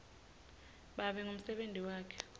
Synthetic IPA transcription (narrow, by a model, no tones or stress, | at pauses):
ɓaɓɛŋum̩sɛɓentiwaːkʰɛ̥